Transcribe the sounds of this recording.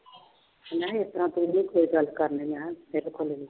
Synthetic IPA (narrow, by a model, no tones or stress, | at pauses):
naest̪ɾãt̪ũnĩːkoːiɡəlkəɾnemãmeːɾokʰoleli